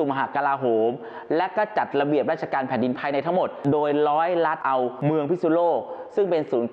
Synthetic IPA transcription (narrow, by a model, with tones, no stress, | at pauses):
u˨˩m˧ɦa˨˩ka˧laː˧ɦoː˩˦m | lɛ˦˥kɔ˥˩t͡ɕa˨˩t̪̚ɾa˧bi˨˩əp̚ɾaː˥˩t͡ɕʰa˧kaː˧npʰɛː˨˩˦ndi˧npʰaː˧jna˧jt̪ʰa˦˥ŋmo˨˩t̪̚doː˧jɾɔː˦˥jɾa˦˥t̪̚ʔa˧wmɯ˧əŋpʰi˦˥su˧˥loː˥˩k̚sɯ˥˩ŋpe˧nsuː˩˦n